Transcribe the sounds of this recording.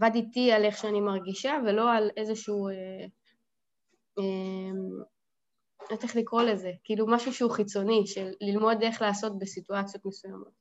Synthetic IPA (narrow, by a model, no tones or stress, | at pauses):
vadit̪iale̞χʃeanimaʁɡiʃave̞lo̞ale̞zeʃuːe | em | ateχlikʁo̞le̞ze̞kiiːlumaʃuʃuχit͡so̞niʃelːilmo̞de̞χlaːso̞tbesituat͡sjo̞t̪me̞sujamo̞t̚